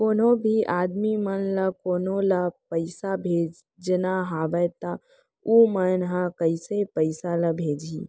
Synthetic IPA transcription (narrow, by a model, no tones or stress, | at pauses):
koːnobʱiʔaːd̪mimənləkoːnoləpəɪsabʱeːd͡ʒ | d͡ʒnaɦaːʋəjt̪a | umənɦakəɪsepəɪsaləbʱeːd͡ʒḭː